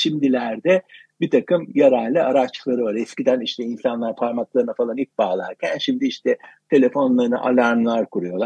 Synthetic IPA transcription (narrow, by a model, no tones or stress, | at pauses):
ʃimd̪ilʲæɾd̪ɛ | bit̪ʰakɯmjaɾalʲlːʲiaɾat͡ʃlˠaɾɯvaɾɛscid̪æniʃt̪ʰɛinsanlˠaɾpʰaɾmaklˠaɾɯnafalˠanip̚baːlˠa̰ɾcʰænʃimd̪iiʃt̪ʰɛt̪ʰe̞lʲe̞fo̞nlˠaɾɯna̰ʔa̰lʲaɾnlˠaɾkʰuɾujo̞lˠaɾ